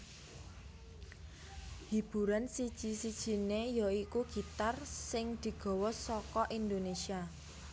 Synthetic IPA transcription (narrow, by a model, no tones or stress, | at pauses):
hib̥ṳɾansid̥ʒ̥isid̥ʒ̥i̤nejɔikuɡ̥i̤t̪arsɪŋd̪̥i̤ɡ̥ɔ̤wɔsɔkɔʔind̪onesia